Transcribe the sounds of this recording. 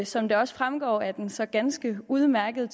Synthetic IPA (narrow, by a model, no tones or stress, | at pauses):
sɒ̽md̥e̝ɒ̽səfʁamɡ̥ɒ̰ːæd̥ensɒ̽ɡ̥ænsɡ̥əuð̞ˠmæɐɡ̥əð̞ˠt͡sʰ